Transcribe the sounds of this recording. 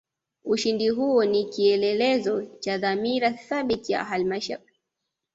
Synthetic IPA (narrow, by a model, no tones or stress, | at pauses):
uʃindiɦuɔnikiɛlɛlɛzɔt͡ʃaðamiɾaθaɓitija̰ɦalimaʃa̰i